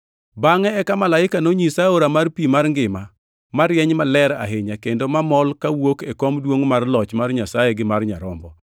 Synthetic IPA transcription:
baŋɛːkamalaɪkanoɲisaoɾamarpimarŋɡɪma | maɾjɛɲmalɛɾa̰ɦeɲakendomamɔlkawokekomdwoŋmarlɔt͡ʃmarɲasajeɡɪmarɲaɾɔmbɔ

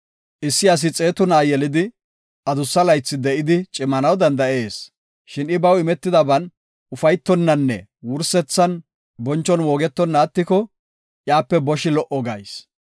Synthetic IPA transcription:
ʔɪsːɪɐs̬ɪt͡sʼe̞ːt̪ʊnaːjɛlɪd̪ɪ | ʔɐd̪ʊsːɐlɐjt͡sːɪd̪ɛʔɪd̪ɪt͡ʃʼɪmːɐnɐwd̪ɐnd̪ɐʔe̞ːs | ʃɪnɪbɐwɪmɛt̪ːɪd̪ɐbɐn | ʊfɐjt̪ːɔnːɐnːɛ̰ | wʊɾsɛt͡sːɐn | bɔnt͡ʃːɔnwoːɡɛt̪ːɔnːaːt̪ːɪkɔ | ʔjaːpːɛbɔʃɪlɔʔɔɡɐ̰js

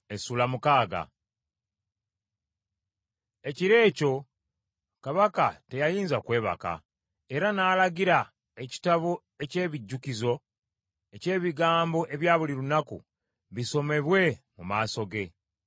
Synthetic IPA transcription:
esuːlamukaːɡa̰ | e̞ciɾe̞ːco̞ | kaβakate̞jajiːnzakwe̞ːβa̰ka̰ | e̞ɾanaːlaɡiɾa | e̞ci̥taβo | e̞ce̞ːβiɟːukizo̞ | e̞ce̞ːβiɡaːmbo̞ʔe̞βjaːβuliɾunakṵ | βiso̞me̞βwe̞mumaːso̞ɡe̞

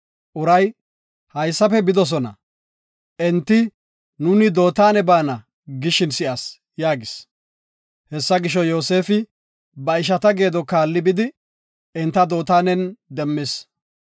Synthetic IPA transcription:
ʔʊɾɐj | hɐjsːɐfɛbɪd̪ɔs̬ɔnɐ̰ | ʔɛnt̪ːɪ | nʊnɪd̪o̞ːt̪aːnɛbaːnɐ | ɡɪʃɪnsɪʔɐs | jaːɡɪs | hɛsːɐɡɪʃɔjo̞ːse̞ːfɪ | bɐɪʃ̬ɐt̪ɐɡe̞ːd̪ɔkaːlːɪbɪd̪ɪ | ɛnt̪ːɐd̪o̞ːt̪aːnɛnd̪ɛmːɪs

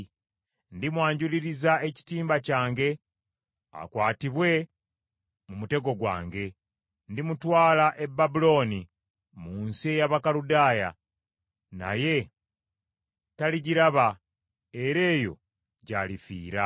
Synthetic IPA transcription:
ndimwaːɲɟuliɾizae̞ci̥tiːmbacaːŋɡe̞ | a̰kwaːtiβwe̞ | mumute̞ɡo̞ɡwa̰ːŋɡe̞ | ndimutwaːlaʔe̞bːabulo̞ːni | muːnsiejaβakaludaːja̰ | na̰je̞ | taliɟiɾaβa | e̞ɾe̞ːjo̞̰ | ɟa̰lifḭːɾa

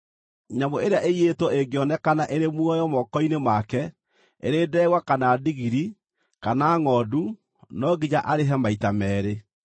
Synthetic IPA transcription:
ɲamoeɾeaʔeietwɔeɡɔnɛkanaʔeɾemwɔjɔmɔkɔinemakɛ | ḛɾeːdɛɣwakanaːdiɣiɾi | kanaŋɔːdu | nɔɡid͡ʑaʔaɾeɦɛmaitamɛːɾe

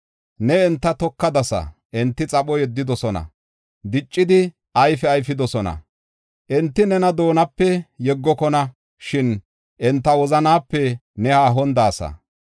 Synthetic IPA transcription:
nɛɛnt̪ːɐt̪ɔkːɐd̪ɐsɐ̰ʔɛnt̪ːɪt͡sʼɐɓɔjɛd̪ːɪd̪ɔsɔnɐ̰ | d̪ɪt͡ʃʼːɪd̪ɪ | ʔɐjfɛɐjfɪd̪ɔsɔnɐ̰ | ʔɛnt̪ːɪnɛnɐd̪o̞ːnɐpːɛjɛɡːɔkɔnɐ | ʃɪn | ʔɛnt̪ːɐwɔzɐnaːpːɛnɛhaːɦɔnd̪aːsɐ̰

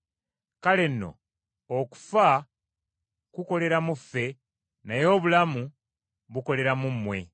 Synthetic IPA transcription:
kale̞nːo̞̰ | oku̥fa | kuko̞le̞ɾamufːe̞ | najo̞ːβulamu | βuko̞le̞ɾamumːwe̞̰

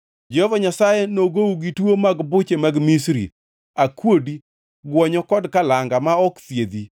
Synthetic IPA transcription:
d͡ʒɛhɔvaɲasajenoɡouɡitwomaɡbʊt͡ʃemaɡmisɾḭ | akwodi | ɡwɔɲɔkɔdkalaŋɡamaɔkt̪jed̪i

